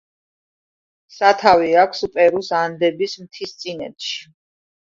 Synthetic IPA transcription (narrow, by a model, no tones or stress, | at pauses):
sat̪ʰaviakʷʰsupʼɛɾusand̪ɛbismt̪ʰist̪sʼinɛ̰t̪ʃi̥